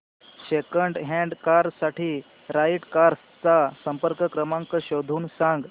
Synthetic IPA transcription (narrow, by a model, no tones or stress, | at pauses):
ɕekəɳɖɦɛ̃ɳɖkaɾsaʈiː | ɾaiʈkaɾs | t͡sasəmpəɾkəkɾəmaŋkəɕod̪ʱuːnsãŋɡ